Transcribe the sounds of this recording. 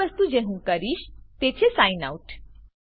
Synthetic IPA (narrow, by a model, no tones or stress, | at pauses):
əst̪ud͡ʒeɦũkəɾiʃt̪et͡ʃʰesajna̰uʈ